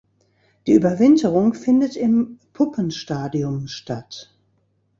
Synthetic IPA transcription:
d̥iːʔyːbɐvɪntʰəʁʊŋfɪndətɪmpʰʊpənʃtaːdiʊmʃtat

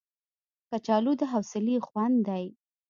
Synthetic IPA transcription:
kat͡ʃɑlud̪əɦawsɪlixwand̪d̪aj

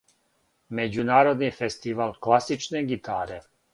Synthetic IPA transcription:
med͡ʑunaːɾo̞d̪nifest̪iʋaːlˠklasit͡ʃneɡit̪ʰa̰ːɾe

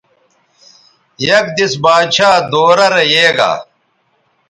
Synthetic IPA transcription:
jɐk̚d̪isbaːd̪ɕaːd̪oːɾɐɾejeːɡa̰ː

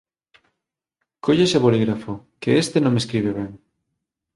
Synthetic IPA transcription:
kʰoʎeseβoliɣɾafokeest̪enõmeskɾiβ̞eβɛŋ

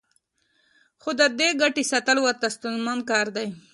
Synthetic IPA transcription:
xod̪əd̪eɡaʈisat̪əlwaɾt̪ast̪unmɑnkɑːɾd̪aj

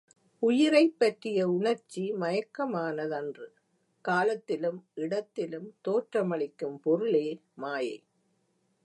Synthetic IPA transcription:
ʊjɪɾɐɪpːɐʈrɪjɐʊɳɐɾt͡ʃːimɐjɐkːɐmaːnɐðɐndrɯ | kaːlɐt̪ːɪlɯmʔɪɽɐt̪ːɪlɯmt̪oːʈrɐmɐɭɪkːɯmpɔɾɯleːmaːjɐɪ

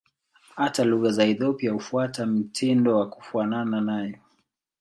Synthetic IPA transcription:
hataluɣazaɛθɔpiahufuatam̩tʰindɔwaku̥fuanananajɔ

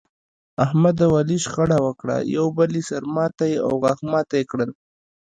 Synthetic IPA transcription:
ahmad̪awaliʃxaɽawəkɽa̰jawbəlisaɾmɑt̪ajea̰wɣɑxmɑt̪ajekɽəl

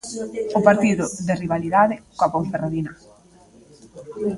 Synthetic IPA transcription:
ʊpaɾt̪iðʊðɪriβaliðaðɪkwapoɱferaðinɐ

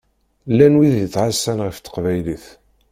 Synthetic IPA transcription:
lːænwiðət͡sːʕasːænʁəft̪ːə̥qvæjliθ

